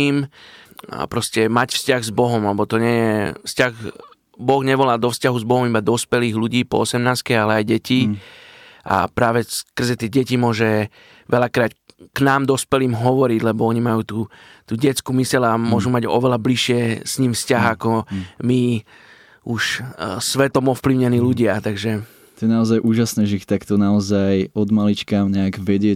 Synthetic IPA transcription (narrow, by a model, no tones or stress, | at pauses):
iːm | a̰pɾɔscɛmacfscaɣzbɔɦɔmlɛbɔt̪ɔɲɪɛjɛfscaɣ | bɔɣɲɛʋɔlaːd̪ɔfscaɦuzbɔɦɔmibad̪ɔspɛliːɣluɟiːpɔ̰ɔsɛmnaːskɛalɛajɟɛci | ʔa̰pɾaːʋɛskr̩zɛt̪ɪɛɟɛcimʊɔʒɛ | ʋɛʎakɾaːtknaːmd̪ɔspɛliːmɦɔʋɔɾiɟlɛbɔɔɲimajuːt̪uː | t̪uːɟɛt͡skuːmisɛlamʊɔʒumaɟɔ̰ʋɛlabliʃɪɛsɲimfscaɦakɔmi | uʃsʋɛt̪ɔmɔfpliʊɲɛniːluɟɪat̪aɡʒɛ | t̪ɔjɛnaɔzajʔuːʒasnɛːʒɛixt̪akt̪ɔnaɔzajɔd̪malit͡ʃkaɲɛaɡʋɛɟɪɛ